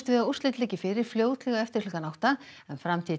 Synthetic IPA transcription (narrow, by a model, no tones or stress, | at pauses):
t̪vɪðaur̥st̪ɪt̪lɛːcɪfɪɾɪɾ̥fljoːwt̪lɛɣaɛft̪ɪ̥ɾ̥likanawht̪aɛnfɾamt̪ʰiː